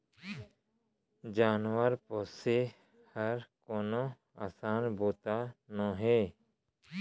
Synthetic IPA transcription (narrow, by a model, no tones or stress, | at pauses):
d͡ʒaːnwəɾpoːse | həɾkoːnõ | a̰ːsaːnboːt̪anãːɦeː